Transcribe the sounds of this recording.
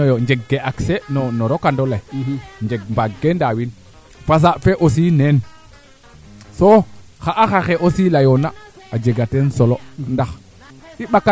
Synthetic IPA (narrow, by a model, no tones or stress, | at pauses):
joɲd͡ʒeɡːeʔaksenɔnɔɾokandolajɲd͡ʒeɡmbaɡendawin | fas̬afeʔosinen | soxaʔaxaxeʔosilajona | ad͡ʒeɡatensolondax | iɓakːa